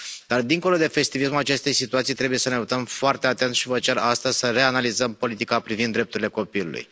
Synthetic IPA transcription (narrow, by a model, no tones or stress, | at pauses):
d̪̥ard̪iŋko̞lo̞d̪e̞fe̞st̪ivismulat͡ʃe̞st̪e̞jsit̪uat̪sijt̪ɾe̞bujesəne̞ut̪əmfoart̪e̞at̪e̞nt̪ʃivət͡ʃerast̪əzʲsəre̞analizəmpo̞lit̪ikapɾivind̪ːɾe̞p̚t̪uɾileko̞pilṵlṵj